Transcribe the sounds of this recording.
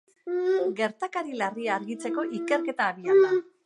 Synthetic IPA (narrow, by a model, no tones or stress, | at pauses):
ɡe̞ɾt̪akaɾilariaːɾɣit͡se̞ko̞ʔike̞ɾke̞t̪aːβiaða